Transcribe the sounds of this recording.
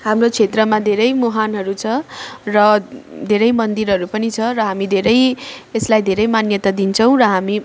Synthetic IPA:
hamrot͡sʰet̪rʌmad̪ʱeɾʌjmoɦanɦʌɾut͡sʰʌrʌd̪ʱeɾʌjmʌnd̪iɾɦʌɾupʌnit͡sʰʌɾʌɦamid̪ʱeɾʌjeslajd̪ʱeɾʌjmanjʌt̪ad̪int͡sʰʌw̃rʌɦami

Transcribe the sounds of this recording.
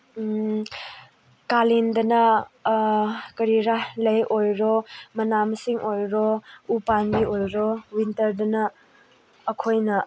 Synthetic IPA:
kalindɐnɐ | kɐɾiɾahlɐjʔojɾɔmɐnamɐsiŋʔojɾɔupanbiojɾɔwintɐɾdɐnɐː | kʰojnɐ

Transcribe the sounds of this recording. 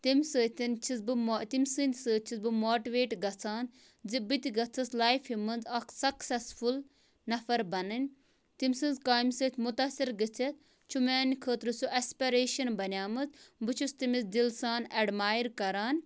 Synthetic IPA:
t̪imʲsəːt̪ʲint͡ʃʰizbɨmot̪imʲsɨnd̪ʲsəːt͡ʃʰizbɨmoːʈiʋeːʈɡɐt͡sʰaːn | zibit̪iɡɐt͡sʰɐslaːjfimɨnzɐksɐksɛsful | nɐfɐɾbɐnɨnʲ | t̪imʲsɨ̃nzkaːjmsəːt̪ʰʲmut̪asiɾɡɨt͡sʰɐt̪̚ | t͡ʃʰumaːnikʰəːt̪ɾɨsuʔɐspiɾeːʃɐnbɐnjaːmɨt͡sbɨt͡ʃʰust̪imizd̪ilsaːnɐɖmaːjɾkɐɾaːn

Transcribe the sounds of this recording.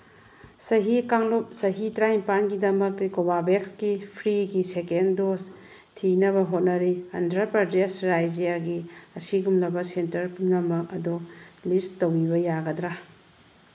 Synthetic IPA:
sɐɦikaŋlup̚sɐɦitɾajmpanɡidɐmɐkkobabekskipʰɾiɡisekendos | tʰinɐβɐɦot̚nɐɾiɐndɾɐpɾɐdesɾajd͡ʒijaɡiɐsiɡumnɐbɐsentɐɾpumnɐmɐk̚ɐdulistːɐwibɐjaɡɐdɾa

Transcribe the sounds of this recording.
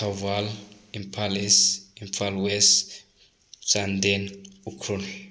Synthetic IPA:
aval | impʰalisimfalwɛst | d͡ʒand̪enukʰɾun

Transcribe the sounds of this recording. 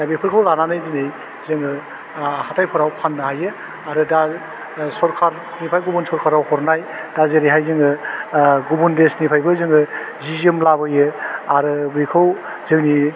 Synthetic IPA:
abipʰɯɾkʰawlananɯjdinɯj | zɯŋɯ | hatajpʰɯɾawpʰanːɯhajɯ | aɾɯda | sɔɾkʰaɾ | nipʰajɡubunsɔɾkʰaɾawhɔɾnaj | d̥azeɾiɦajzɯŋɯ | ɡubundesnipʰajbɯzɯŋɯ | zizɯmlabɯjɯaɾɯbikʰɯw | zɯŋni

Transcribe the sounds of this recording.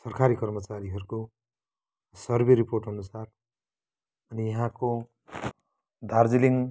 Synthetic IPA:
sʌrkʰaɾikʌrmʌt͡saɾiɦʌɾuko | sʌrbʱeɾiporʈʌnusar | ʌnijʌɦãko | d̪ʱard͡ziliŋ

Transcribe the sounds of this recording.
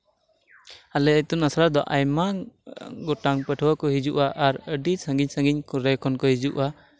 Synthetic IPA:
alɛət̪unasɾad̪ɔʔajma | ɡɔʈaŋpəʈʰəwakɔɦid͡ʒuʔaʔaɾəɖisə̃ŋɡiɲsə̃ŋɡiɲkɔɾɛkʰɔnkɔhid͡ʒuʔa

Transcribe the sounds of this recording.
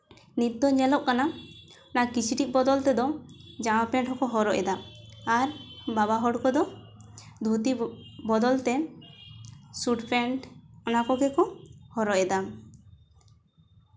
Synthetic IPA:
nit̪ːɔɲɛlɔʔkanaɔnakit͡ʃʰiʈiʔ̚bɔd̪ɔlt̪ɛd̪ɔd͡ʒawapɛɳʈhɔkɔɦɔɾɔʔɛd̪aaɾbabaɦɔɽkɔd̪ɔ | d̪ʱut̪ibɔd̪ɔlt̪ɛ | suʈpɛɳʈɔnakɔɡɛkɔhɔɾɔʔɛd̪a

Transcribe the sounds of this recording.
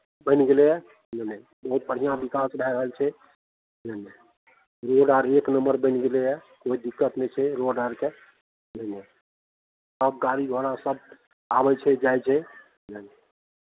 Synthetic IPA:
bə̃ɪnɡeleɛ | nənə | bəɦut̪̚bəɽ̤ijãbikasɾajɾəɦəlt͡ʃʰɛ | nəne | ɾoɖaɾeknəmbəɾbə̃ɪnɡeleɛ | koid̪ikːət̪net͡ʃʰɛɾoɖaɾke | nəne | səb̚ɡaɾiɡʱoɾasəb | a̰bɛt͡ʃʰɛd͡ʒajt͡ʃʰɛ | nəne

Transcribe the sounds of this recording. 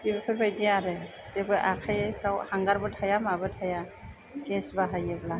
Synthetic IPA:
dibepʰɯɾbajdiaɾɛ | z̥ɛbɯjʔakʰajajpʰɾawhaŋɡaɾbɯtʰajamabɯtʰaja | kɛsbaɦajebla

